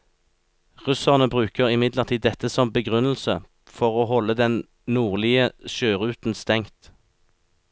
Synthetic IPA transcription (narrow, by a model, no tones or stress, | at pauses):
ʁʉsəʁnəbʁʉːkəʁɪmɪd̪ləʁt̪ʰiːd̪ɛt̪əsɔmbəɡʁʉnl̩sə | fɔʁoːhɔlːəd̪ɛn | nuːʁlɪəʃøːʁʉːt̪n̩st̪ɛŋt̪